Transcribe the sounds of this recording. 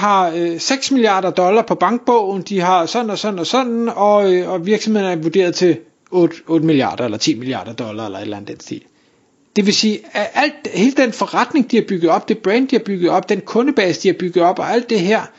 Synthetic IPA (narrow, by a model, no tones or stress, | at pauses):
ɦɑ̈øseɡ̥smiliɑ̰̈ːɾ̥ɐd̥ɒ̽lɐpʰɒ̽b̥ɑ̈ŋɡ̥̚b̥ɔʊ̰n̩d̥iɦɑ̈sɒ̽nn̩ɒ̽sɒ̽nn̩ɒ̽sɒ̽nn̩ɒ̽øɒʋiɐɡ̥sɒ̽me̝ð̰ˠn̩æɐʋuɐd̥e̝̰ːɐð̞ˠt͡sʰe̝l | ɔːd̥ɔ̽ːd̥əmiliɑ̰̈ːd̥ɐelɐt͡sʰḭːmiliɑ̈ːd̥ɐd̥ɒ̽lɐelɐe̝d̥læn̩ˠd̥en̰sd̥e̝̰ːl | d̥e̝ʋe̝siːʔæl̰d̥he̝ːləd̥enfɒ̽ʁad̥ne̝ŋd̥iæɐb̥yɡ̥ð̩ˠɒ̽b̥̚d̥e̝b̥ʁɛnd̥̚d̥iæɐb̥yɡ̥ð̩ˠɒ̽b̥̚d̥enkʰɔ̽nəb̥ɛːsəd̥iæɐb̥yɡ̥ð̩ˠɒ̽b̥ɒ̽ʔæl̰d̥ːe̝ɦæɐ̰